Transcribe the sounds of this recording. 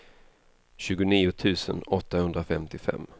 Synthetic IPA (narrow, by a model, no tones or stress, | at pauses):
ɕʉ̟ːɡʊniːʊt̪ʰʉ̟ːsə̰nɔt̪ːahɵnd̪ɾafɛmt̪ɪfɛ̰mː